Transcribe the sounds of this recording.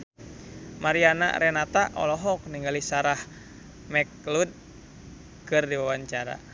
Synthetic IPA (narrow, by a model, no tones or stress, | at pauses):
maɾiana̰ɾɛnat̪aʔɔ̰lɔɦɔk̚niŋɡalisaɾah | mɛklud̪̚ | kɨrdiwawaɲt͡ʃaɾa̰